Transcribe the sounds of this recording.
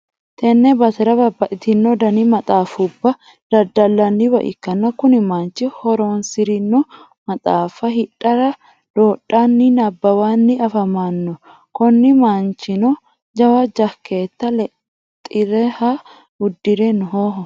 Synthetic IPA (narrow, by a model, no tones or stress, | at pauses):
t̪ʰɛnːɛbɐt̪ɛɾɐbɐbːɐʔɪt̪ɪnːɔd̪ɐnɪmɐt̪ʼaːfʊbːɐ | d̪̥ɐd̪ːɐlːɐnːɪbɐ̰ʔɪ̰kːɐnːɐkʊnɪmant͡ʃːɪhɔɾoːnsɪɾɪnːɔ | mɐt̪ʼaːfɐɦɪᶑʼɐɾɐ | d̪̥oːɗːanːɪnɐbːɐwaːnːɪɐfɐmanːɔ | kɔnːɪmant͡ʃɪnɔ | d͡ʒɐwɐd͡ʒɐkːe̞ːt̪ːɐlɛ | t̪ʼːɪɾɛhɐ | ʊd̪ːɪɾɛnɔɦoɦɔ